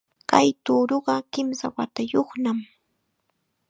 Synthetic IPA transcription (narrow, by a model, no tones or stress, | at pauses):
kajt̪uːɾoɢɑkɪmsawat̪ajoχnam